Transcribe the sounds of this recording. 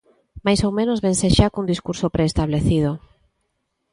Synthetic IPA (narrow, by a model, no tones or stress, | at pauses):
majsowmẽnozβenseʃakund̪iskuɾsopɾʔeːst̪aβleθið̞o